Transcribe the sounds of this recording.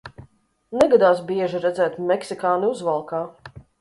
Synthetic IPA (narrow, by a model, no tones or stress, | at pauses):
nɛɡad̪aːsbiɛʒiɾɛd̪zɛːt̪mɛksikaːniuzvalˠkaː